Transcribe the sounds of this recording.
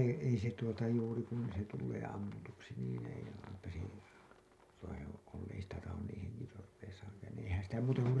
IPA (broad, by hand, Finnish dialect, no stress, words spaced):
ei se tuotɑ juːri kun se tulːeː ɑmːutuksi niːn ei eipæ se ei sitæ tɑhon niːn̞ heŋkitorːeisɑːŋkɑːn niːĩ eihæn sitæ muːtɑ kur